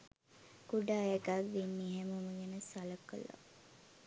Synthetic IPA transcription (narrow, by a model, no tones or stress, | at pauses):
ɡ̥uɖaːjəɡaʋʋenːiɦemuməɡenəsaləkːə̰la̰